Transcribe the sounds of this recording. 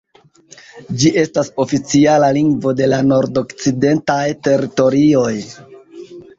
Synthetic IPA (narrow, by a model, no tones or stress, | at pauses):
d͡ʒiʔe̞staso̞fit͡sialaliŋɡvo̞de̞lano̞ɾdo̞kt͡side̞ntajte̞ɾito̞ɾio̞j